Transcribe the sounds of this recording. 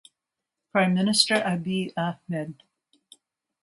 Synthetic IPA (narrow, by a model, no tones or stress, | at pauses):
pʰɹ̥ãɪ̃mːɪnɨstə˞ʔabiʔahmɛd̚